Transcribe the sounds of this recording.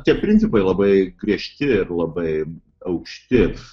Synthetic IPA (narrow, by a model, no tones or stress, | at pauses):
t̪ʲiɛpʲɾʲɪnʲtsʲɪpɐɪlˠɐbɐɪɡɾʲiɛʃʲt̪ʲɪɪrlˠɐbɐɪ | ɐʊkʃʲt̪ʲɪ